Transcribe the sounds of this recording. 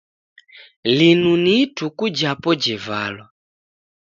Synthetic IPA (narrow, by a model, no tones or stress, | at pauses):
linunitukud͡ʒapɔd͡ʒɛvalɔ